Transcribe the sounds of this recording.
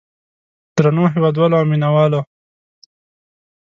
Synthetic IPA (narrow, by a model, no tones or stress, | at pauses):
d̪̥ɾanoɦewɑːd̪wɑːloaːminawɑːlo